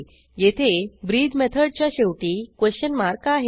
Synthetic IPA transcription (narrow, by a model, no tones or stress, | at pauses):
jet̪ʰebɾiːd̪mɛt̪ʰəɽt͡ɕjaɕeʋʈiːkʋeɕɕənmaɾkaɦe